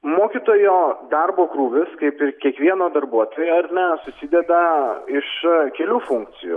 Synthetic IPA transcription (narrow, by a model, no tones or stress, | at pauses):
moːkʲit̪oːjoːd̪ɐɾboːkɾuːʋʲɪskɐɪpɪɾkʲiɛkʋʲiɛnoːd̪ɐɾbuɔt̪oːjɛɐɾʲnʲɛsʊsʲid̪ʲɛd̪ɐɪʃkʲɛlʲuːfʊŋk̚t̪sʲɪjṵ